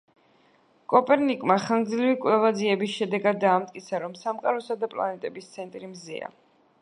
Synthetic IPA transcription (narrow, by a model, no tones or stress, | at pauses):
kʼɔpʼɛɾnikʼmaχaŋɡd̪zlivikʼvlɛvad̪ziɛbisʃɛd̪ɛɡad̪ːaːmt̪ʼkʼit̪sʰaɾɔmsamqʼaɾɔsad̪apʼlˠa̰nɛt̪ʼɛbist̪sʰɛnt̪ʼɾimzḭa̰